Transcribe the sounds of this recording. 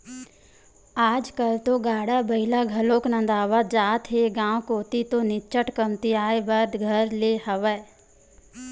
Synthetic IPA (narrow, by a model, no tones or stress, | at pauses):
aːd͡ʒkəlt̪oɡaːɽabəɪlaɡʱəloːknə̃nd̪aːʋəd͡ʒaːt̪ɦeɡãːwkoːt̪it̪õːnɪt͡ʃəʈkəmt̪iaːebəɾd̪ɡʱəɾleːhəʋə